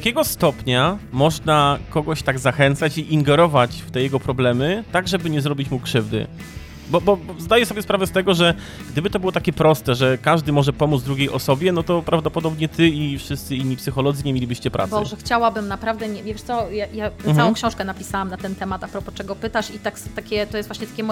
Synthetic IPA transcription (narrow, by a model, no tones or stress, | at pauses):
akʲɛɡɔst̪ɔpɲamɔʐnakɔɡɔɕt̪aɡzaxɛnt̪sat͡ɕiʔiŋɡɛɾɔvat͡ɕft̪ɛjɛɡɔpɾɔblɛmɘt̪aɡʐɛbɘɲɛzɾɔbʲit͡ɕmukʂɘvd̪ɘ̰ | bɔbɔzd̪ajɛsɔbʲjɛspɾavɛst̪ɛɡɔʐɛ | ɡd̪ɘbɘt̪ɔbɘwɔt̪akʲɛpɾɔst̪ɛʐɛkaʐd̪ɘmɔʐɛpɔmud̪zvd̪ɾuɡʲejʔɔsɔbʲjɛnɔt̪ɔpɾavd̪ɔpɔd̪ɔbɲɛt̪ɘifʂɘst̪sɘiɲʲːipsɘxɔlɔd̪zɘɲemʲjelʲibɘɕt͡ɕɛpɾa̰ɔʐɛxt͡ɕawabɘmnapɾavd̪ɛɲɛvʲevʲjʂtsɔjajaawɔ̃kɕɔ̃w̃ʂkɛnapʲi̥sawamnat̪ɛnt̪ɛmat̪apɾɔpɔt͡ʂɛɡɔpɘt̪aʂit̪akst̪akʲɛt̪ɔjɛst̪vwaɕɲɛt̪akʲɛmɔ